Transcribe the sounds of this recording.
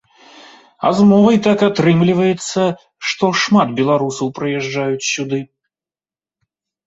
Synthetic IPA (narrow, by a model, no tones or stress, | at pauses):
a̰zmɔvɐjt̪akat̪ɾɨmlʲivɐjɛt̪sːɐ | ʂt̪ɔʂmad̪bʲɛlˠaɾusɐwpɾɨjɛʐd͡ʐajut͡sʲsʲud̪ɨ